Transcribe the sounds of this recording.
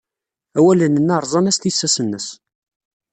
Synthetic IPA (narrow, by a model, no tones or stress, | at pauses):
æwælənənːɑɾˤzˤɑnæst̪isːæsənːəs